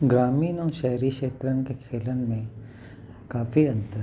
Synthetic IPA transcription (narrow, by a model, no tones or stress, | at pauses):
ɡɾaːmiːnoʃɛɦɾiːʃeːt̪ɾənkekʰeːlənmẽ | kaːfiɐ̃nt̪ə